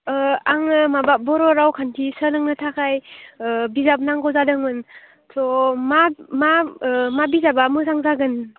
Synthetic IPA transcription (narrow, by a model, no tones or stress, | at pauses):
aŋɯmababɔɾɔɾawkʰantʰisənɯŋnɯtʰakʰaj | bizap̚naŋɡɔzadɯŋmɯn | tʰɔmamamabizabamɯzaŋzaɡɯn